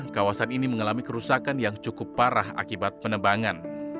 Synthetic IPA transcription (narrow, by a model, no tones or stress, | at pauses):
kawasaniniməŋalamikəɾusakanjaŋt͡ʃukʊpːaɾaha̰kibat̪̚pənəbaŋan